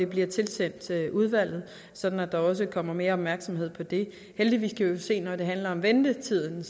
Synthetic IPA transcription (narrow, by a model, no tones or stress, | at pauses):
e̝b̥liɐt͡sʰe̝lsen̰d̥uð̞ˠʋæl̰ð̞̩ˠ | sɒ̽d̥n̩æd̥ɑ̈ɒ̽s̬əkʰɒ̽m̰ɐme̝ːɐɒ̽b̥mæɐɡ̥sɒ̽mɦe̝ð̞̰ˠpʰɒ̽d̥e̝ | held̥iʋḭːskʰæʋise̝̰ːnɒd̥e̝ɦænlɐɒ̽mʋend̥ət͡sʰið̰ˠn̩